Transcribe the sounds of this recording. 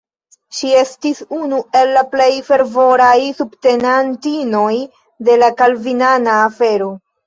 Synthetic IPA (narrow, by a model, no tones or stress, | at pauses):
ʃie̞stisunue̞lːaple̞jfe̞ɾvo̞ɾajsubte̞nantino̞j | de̞lakalvinanaːfe̞ɾo̞